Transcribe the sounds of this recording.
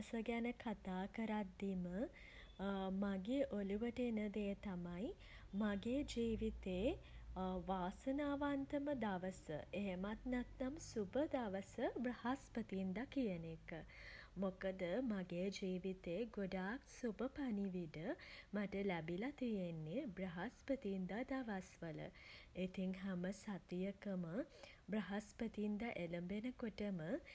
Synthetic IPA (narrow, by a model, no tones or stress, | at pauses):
səɡænəkʰat̪aːkəɾad̪ːimə | maɡeʔoluʋəʈəenəd̪ejət̪amaj | maɡeːd͡ʒiːʋit̪eː | ʋaːsənaːʋant̪əməd̪aʋəsə̰eɦemat̪nat̪namsubəd̪aʋəsəbɾəhaspət̪iːnd̪akijənekəmokəd̪əmaɡeːd͡ʒiːʋit̪eːɡoɖaːksubəpaniʋiɖəmaʈəlæbilat̪ijenːebrɐɦaspət̪iːnd̪ad̪aʋasʋələ̰et̪iŋɦæməsat̪ijəkəmə | brəɦaspət̪iːnd̪aʔeləmbenəkoʈəmə